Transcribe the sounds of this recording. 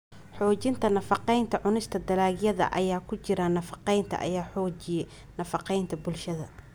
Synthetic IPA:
ħɔːt͡ʃɪnt̪ʰɐnɐfɑqɛjnt̪ʰɐʕʊnɪst̪ʰɐd̪ɐlaːɣjɐðɐ̰ʔɐ̰jaːkʰʊt͡ʃɪɾɐnɐfɑqɛjnt̪ʰɐ̰ʔɐ̰jaːħɔːt͡ʃɪjɛj | nɐfɑqɛjnt̪ʰɐbʊlʃɐðɐ̰

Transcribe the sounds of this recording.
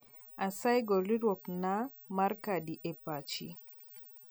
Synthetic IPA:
asajɡɔliɾɔkna | maɾkadiʔɛpat͡ʃḭ

